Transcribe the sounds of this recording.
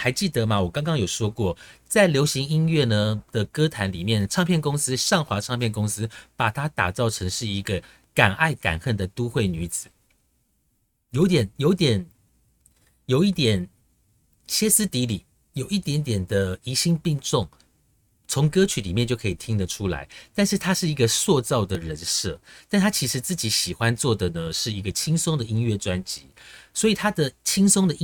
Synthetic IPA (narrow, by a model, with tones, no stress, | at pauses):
xa˧˥ɪt͡ɕi˥˩t̪ə˨˦ma˨wɔ˨˩kɑ˥ŋkɑ˥ŋjo˨˩ʊʂwɔ˥kwɔ˥˩t͡sa˥˩ɪljo˧˥ʊɕi˧˥ŋi˥nɥɛ˥˩nə˨d̪̥ə˨kɤ˥t̪ʰa˧˥nli˨˩mjɛ˥˩nʈ͡ʂʰɑ˥˧ŋpʰjɛ˥˨nkʊ˥ŋsɹ̩˥ʂɑ˥˨ŋxwa˧˥ʈ͡ʂʰɑ˥˧ŋpʰjɛ˥˩nkʊ˥ŋsɹ̩˥˦pa˨˩t̪ʰa˥t̪a̰˨˩t͡sɑ˥˩ʊʈ͡ʂʰɤ˧˥ŋʂɻ̩˥˩i˧˥ɡə˧ | ka˨˩na˥˩ɪka̰˨˩nxə˥˩nd̪ə˩t̪u˥xwe˥˩ɪny˧˥t͡sɹ̩˨˩˦ | jo˧˥ʊt̪jɛ˨˩njo˧˥ʊt̪jɛ˨˩n | jo˨˩ʊi˥˩t̪jɛ˨˩n | ɕjɛ˥sɹ̩˥t̪i˧˥li˨˩˦ | jo˨˩ʊi˥˩t̪jɛ˧˥nt̪jɛ˨˩nd̪ə˦i˧˥ɕi˥ŋpi˥˧ŋʈ͡ʂʊ˥˩ŋ | t͡sʰʊ˧˥˦ŋkɤ˥t͡ɕʰy˧˥li˨˩mjɛ˥˧nt͡ɕjo˥˩ʊkʰi˨˩t̪ʰi˥ŋd̪ə˨ʈ͡ʂʰu˥la̰˧˥ɪt̪a˥˧nʂɻ̩˥˩t̪ʰa˥ʂɻ̩˥˩i˧˥ɡə˧swɔ˥˧t͡sɑ˥˩ʊd̪ə˩ɻə˧˦nʂɤ˥˩t̪a˥˧˩nt̪ʰa˥t͡ɕʰi˧˥ʂɻ̩˧˥t͡sɹ̩˥˩t͡ɕi˧˥ɕi˨˩xwa˦nt͡swɔ˥˩d̪ə˩nə˦ʂɻ̩˥˩i˧˥ɡə˨t͡ɕʰi˥ŋsʊ˥ŋd̪ə˨i˥ŋɥɛ˥˩ʈ͡ʂwa˥nt͡ɕḭ˧˥˦swɔ˧˥i˨˩t̪ʰa˥d̪ə˨t͡ɕʰi˥ŋsʊ˥ŋd̪ə˨˥